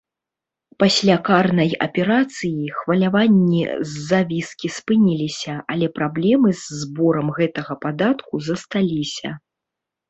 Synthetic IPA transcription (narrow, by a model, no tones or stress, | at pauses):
pasʲlʲakarnɐjɐ̰pʲɛɾat̪sɨjixvɐlʲavanʲːḭzːavʲiskʲispɨnʲilʲisʲɐʔalʲɛpɾablʲɛmɨzːbɔɾɐmɣɛt̪ɐɣɐpad̪at̪kuzɐst̪alʲisʲɐ̰